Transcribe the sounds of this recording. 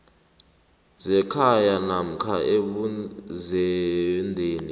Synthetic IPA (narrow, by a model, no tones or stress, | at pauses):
zɛkʰajanam̩kʰaeɓuzɛndʱeːni